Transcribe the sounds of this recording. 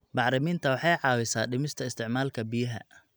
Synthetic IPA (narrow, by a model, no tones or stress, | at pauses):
bɑħɾɪmiːnt̪ʰɐwɑħɑjʕɑːwɪsaːɖɪmɪst̪ʰɐɪst̪ʰɪʕmaːlkʰɐbɪjɐɦɐ̰